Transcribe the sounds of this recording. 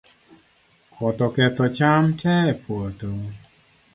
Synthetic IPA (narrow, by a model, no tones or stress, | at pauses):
kʰɔt̪ɔkɛt̪ɔt͡ʃamtɛpʰot̪o